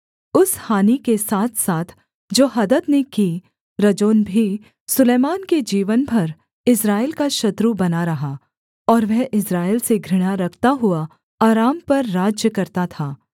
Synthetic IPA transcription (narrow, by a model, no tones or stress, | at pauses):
ʊshaːnikesaːt̪ʰsaːt̪ʰ | d͡ʒoːɦɐd̪ət̪neki | ɾɐd͡ʒoːnbʱi | sʊleːmaːnked͡ʒiːʋənbʱɐɾ | ɪsɾaːelkaʃɐt̪ɾubɐnaɾɐɦa | ɔːɾʋɛɦʔɪsɾaːelseɡʱɾɪɽ̃aɾɐkʰt̪aɦʊa | aːɾaːmpɐɾːaːd͡ʒjəkɐɾt̪at̪ʰaː